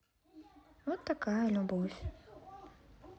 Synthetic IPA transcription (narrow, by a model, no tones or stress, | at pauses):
vɔt̪ːakajɐlʲubɔfʲ